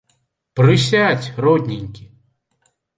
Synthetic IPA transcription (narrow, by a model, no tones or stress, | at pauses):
pɾɪsʲatʲɾɔd̪ʲnʲinʲkʲi